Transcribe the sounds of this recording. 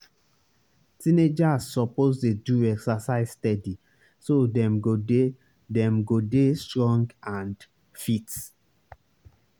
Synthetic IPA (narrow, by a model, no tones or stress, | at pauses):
tĩned͡ʒazsɔpostuduɛksasaɪzstɛdi | sodɛ̃mɡode | dɛ̃mɡodestɹɔ̃ŋɡãnd | fit